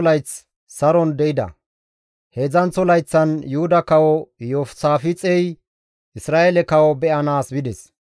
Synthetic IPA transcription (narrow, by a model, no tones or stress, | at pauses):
lɐjt͡s | sɐɾɔnd̪ɛʔɪd̪ɐ̰ | heːzɐnt͡sɔlɐjt͡sːɐnjʊhʊd̪ɐkɐwɔjɔfsaːfɪt͡sʼɛj | ɪsɾaːʔelɛkɐwɔbɛʔɐnaːsbɪd̪ɛs